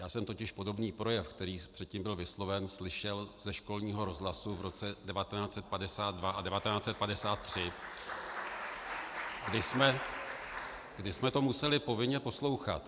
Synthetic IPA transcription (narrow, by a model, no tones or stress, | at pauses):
jaːsɛmt̪ocɪʃpo̞do̞bniːpɾo̞jɛfkt̪ɛɾiːpr̥ɛt̪̚cimbɪlvɪslo̞vɛnslɪʃɛlz̥ɛʃko̞lɲiːɦo̞ɾo̞zɦlasuvɾo̞t͡sɛdɛvat̪ɛnaːt͡sɛt̪̚padɛsaːd̪̚dvaʔadɛvat̪ɛnaːt͡sɛt̪̚padɛsaːt̪ːr̝̥ɪ | ɡdɪsmɛ | ɡdɪsmɛt̪o̞musɛlɪpo̞vɪɲɛpo̞slo̞wxa̰t̪